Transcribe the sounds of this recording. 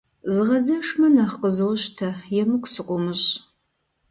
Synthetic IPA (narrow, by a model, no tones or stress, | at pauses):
zɨʁɐzɐʂmɐnaχqəzowɕtʰɐjɛmɨkʷʰʼsɨqʷʼʊmɨɕ